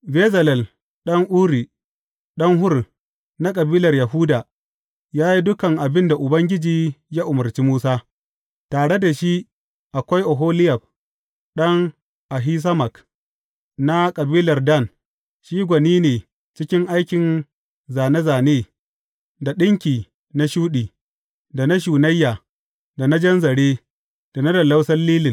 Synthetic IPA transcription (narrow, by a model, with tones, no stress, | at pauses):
bɛː˦zɐ˨lɛ˨l | ɗɐ˦ŋʔuː˦ɾiː˨ | ɗɐ˦ŋɦʊ˦r | na˦kʼɐ˨biː˦lɐ˨rjɐ˨ɦu˦daː˨ | jaː˦ji˦dʊ˦kɐ˨ŋʔa˨bɪ˦nda˨ʔʊ˨bɐ˦ŋɡʲɪ˦d͡ʒiː˨jaː˦ʔʊ˨mɐ˨rt͡ʃi˦muː˦saː˦ | taː˨ɽe˦da˨ʃi˦ʔ | ʔa˨kʷa˦jʔo˨ɦoː˦lɪ˦jɐ˨ɸ̚ | ɗɐ˦ŋ | ʔa˨ɦiː˦s̬ɐ˦mɐ˨k | na˦kʼɐ˨biː˦lɐ˨rdɐ˦˨n | ʃiː˦ɡʷɐ˨niː˦neː˨ | t͡ʃɪ˦kʲɪ˦ŋʔa˦jkʲɪ˨n | zaː˨ne˦zaː˨neː˦ | da˨ɗɪ˦ŋkʲiː˨ | na˦ʃuː˦ɗiː˨ | da˨na˦ʃuː˨nɐ˦jːaː˨ | da˨na˦d͡ʒɐ˦nzɐ˨ɽeː˦ | d̥a˨na˦dɐ˨la˦wsɐ˦rliː˦lɪ˨n